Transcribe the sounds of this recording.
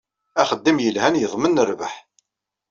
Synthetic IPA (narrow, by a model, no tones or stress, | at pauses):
æχəd̪ːimjəlhænjəðˤmənːəɾvə̰ħ